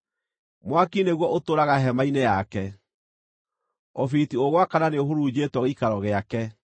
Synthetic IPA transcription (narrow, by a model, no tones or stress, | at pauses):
mwakineɣwɔʔotoɾaɣaɦɛmainejakɛ | ɔfitioɣwakananeohoɾuːd͡ʑetwɔɣikaɾɔɣeakɛ